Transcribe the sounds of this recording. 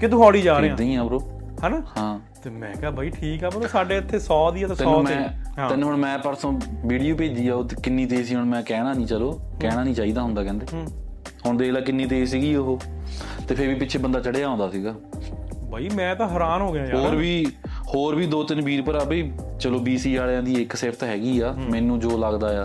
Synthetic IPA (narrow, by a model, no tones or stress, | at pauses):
kɪd̪ʊkʰɔːɽiːd͡ʒaːɾɾeːãd̪ĩːãːpəɾoː | hɛːnaːhɦãː | t̪eːmɛ̃ːkaːbaːiːʈʰiːkɛːbəɾoːsaːɖeːɪt̪ʰːeːsɔːd̪iːt̪ːt̪ɪɔmɛ̃ːɪnːəɳmɛ̃ːpəɾsõːʋiːɽijoːpeːd͡ʒ̪iːaːoːt̪eːkɪnːiːt̪̬eːs̬iːɦʊɳmɛ̃ːkɛːɽaːnĩːt͡ʃəloː | kɛːɽaːnĩːt͡ʃaːiːd̪aːɦʊnd̪aːkɛ̃ːnd̪eː | hʊɳd̪eːlaːkɪnːiːt̪̬eːsiːɡiːoɦoːt̪eːpʰɪɾʋiːpɪtːʃʰeːbənd̪aːt͡ʃəɽeːaːõːnd̪aːsiːɡaː | baːiːmɛ̃ːt̪ãːɦəɾaːnɦoːɡɪjaːɦoːɾʋiː | hoːɾbiːd̪oːt̪ɪnbiːɾpəɾəbeː | t͡ʃəloːbiːsiːd͡ʒaːljãːd̪iːɪkseːpʰt̪aɦɛːɡiːaːmɛ̃ːnũːd͡ʒoːləɡd̪aːjaː